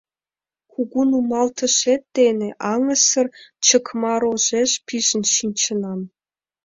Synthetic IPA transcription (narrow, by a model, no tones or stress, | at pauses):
kuɡunumɑlt̪ʰɤ̆ʃet̪ːenʲĕʔɑŋə̆sɤ̆rt͡ɕɤ̆kmɑɾoʒeʃpʲiʒə̆nɕinʲt͡ɕɤ̆nɑm